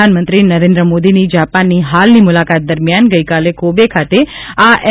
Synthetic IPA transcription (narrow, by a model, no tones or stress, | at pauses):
anmənt̪ɾinəɾẽnd̪ɾəmod̪inid͡ʒapanːiɦalnimʊlakat̪̚d̪əɾmjanɡəjkalekobekʰat̪e | aʔɛ